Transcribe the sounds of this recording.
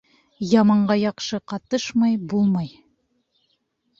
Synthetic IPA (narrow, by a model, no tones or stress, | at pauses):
jɑmɑɴɢɑjɑqʃɤqɑt̪ɤʃmɑjbulˠmɑj